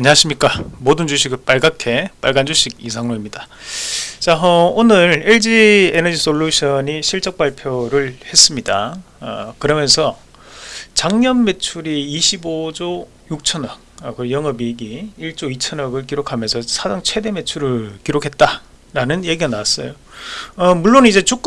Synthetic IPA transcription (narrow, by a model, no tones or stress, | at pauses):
aɲiɦaɕʰimɲik͈amodɯnd͡ʑuɕʰiɡɯp͈aɭɡakʰe̞p͈a̰ɭɡand͡ʑuɕʰiɡ̚is̬ʰaŋnoimɲida | t͡ɕaʌonɯɾeɭd͡ʑienʌd͡ʑisʰoʎːuɕʰʌɲiɕʰiɭt͡ɕ͈ʌk̚p͈aɭpʰjoɾɯɭhe̞s͈ɯmɲida | ʌkɯɾʌmjʌnsʰʌ | t͡ɕaŋɲʌnme̞t͡ɕʰuɾiːɕʰibod͡ʑo | juk̚t͡ɕʰʌnʌk̚ʌkɯjʌŋʌbiɡiiɭt͡ɕ͈oit͡ɕʰʌnʌɡɯɭkiɾokʰamjʌnsʰʌsʰadaŋt͡ɕʰwe̞de̞me̞t͡ɕʰuɾɯɭkiɾokʰe̞t̚t͈a | ɾanɯnje̞ɡiɡanaas͈ʌ̰jo | ʌmuɭːonid͡ʑe̞t͡ɕuk͈